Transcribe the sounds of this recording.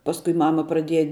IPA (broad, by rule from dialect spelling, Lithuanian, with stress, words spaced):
ˈpɑːskʊɪ ˈmɑːmɐ prɐˈdʲiɛjɛ